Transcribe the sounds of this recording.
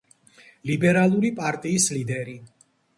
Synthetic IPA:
libɛɾalˠuɾipʼaɾt̪ʼiːslid̪ɛɾi

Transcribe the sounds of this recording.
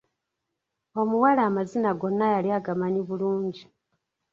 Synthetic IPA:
o̞muwalaːmazinaɡo̞nːajaliaɡamaɲiβuluːɲɟi

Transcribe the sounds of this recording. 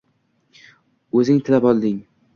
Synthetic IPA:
ɵzɪŋt̪ʰɪlapɒlˠd̪ɪŋ

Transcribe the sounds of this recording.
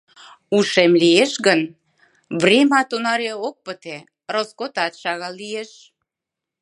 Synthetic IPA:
uʃemlieʃɣən | βrʲemɑt̪onɑɾeok̚pət̪e | roskot̪ɑt̪ʃɑɣɑlːieʃ

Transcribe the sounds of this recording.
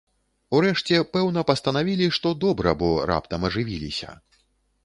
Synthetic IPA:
uɾɛʂt͡sʲɛpɛwnɐpɐst̪ɐnavʲilʲiʂt̪ɔd̪ɔbɾɐ̰bɔɾa̰pt̪ɐmɐʐɨvʲilʲisʲɐ̰

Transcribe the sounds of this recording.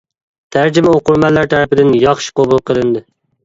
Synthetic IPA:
t̪ʰæɾd͡ʒɪmɛoqʊɾmɛlːæɾt̪ʰæɾpɪd̪ɪnjɑχʃɪ̥qobulˠqʰəlˠɨnd̪ɨ

